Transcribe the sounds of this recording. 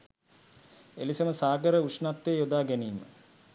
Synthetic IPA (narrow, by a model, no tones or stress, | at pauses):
ḛlisəməsaːɡəɾəuʂnat̪ːejod̪aːɡæniːmə̰